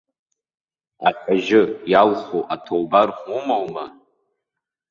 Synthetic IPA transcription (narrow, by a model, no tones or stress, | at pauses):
aqʲʼaʒɪjalχoʔatʰowbarχʷumawma